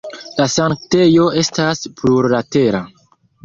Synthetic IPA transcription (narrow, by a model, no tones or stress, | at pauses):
lasaŋk̚te̞jo̞e̞staspluɾlate̞ɾa